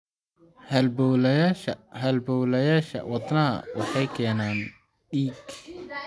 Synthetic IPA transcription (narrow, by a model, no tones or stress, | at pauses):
hɐlbɔwlɐjaʃɐɦɐlbɔwlɐjaːʃɐ̰wɑt̪ˤnɐɐ̰wɑħɑjkʰɛːnaːn | ɖiːɡ